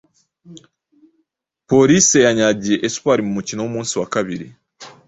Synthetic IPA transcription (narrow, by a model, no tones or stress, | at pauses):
po̞ɾise̞jaɲaɟijeʔesu̥paɾimumucino̞wumuːnsiwakaβiɾi